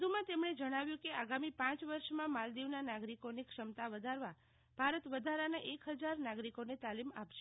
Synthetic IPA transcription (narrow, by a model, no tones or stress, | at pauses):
d̪ʱumãt̪emɽ̃ed͡ʒəɽ̃aʋjũkeaɡamipãt͡ʃʋəɾʃmãmald̪iʋnanaɡɾikonekʃəmt̪aʋəd̪ʱaɾʋa | b̥ʱaɾət̪ʋəd̪ʱaɾanaʔekɦəd͡ʒaɾnaɡɾikonet̪alimapʃe